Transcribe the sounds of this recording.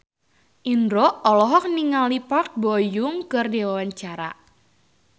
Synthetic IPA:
ʔindɾɔʔɔlɔɦɔk̚niŋalipak̚bojʊŋkɨrdewawaɲt͡ʃaɾa

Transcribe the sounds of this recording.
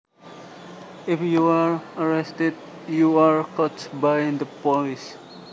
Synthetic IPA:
ɪfjuaɹəɹɛstɛd̚ | juaɹkʰɔtbaj̃nd̪əpɔlis

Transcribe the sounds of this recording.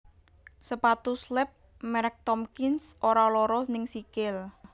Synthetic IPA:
səpat̪uslɛp̚ | mɛɾɛk̚t̪ɔmkɪnsʔoɾalɔɾɔsnɪŋsikɪl

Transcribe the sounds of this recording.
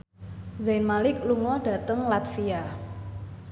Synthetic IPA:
zajnmalɪkluŋɔɖ̥a̤t̪əŋlat̪fia

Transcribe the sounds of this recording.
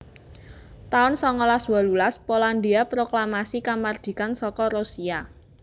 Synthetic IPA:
t̪aʊnsɔŋɔlaswalulaspoland̪iapɾoklamasikamard̪̥i̤kansɔkɔɾosia

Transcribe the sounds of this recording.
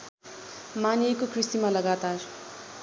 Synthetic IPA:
manekokrisimalʌɡat̪ar

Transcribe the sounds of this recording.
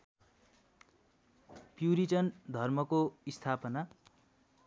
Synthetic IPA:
pjuɾit͡sʌnd̪ʱʌrmʌkoist̪ʰapʌna

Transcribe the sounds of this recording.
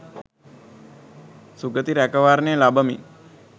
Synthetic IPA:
suɡət̪iɾækəʋaːɾnejəlabəmḭ

